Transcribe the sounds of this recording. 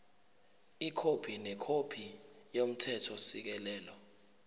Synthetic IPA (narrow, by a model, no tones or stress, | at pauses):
ikʰopʰinɛkʰopʰi | jom̩tʰɛtʰɔsik̬ɛlɛːlɔ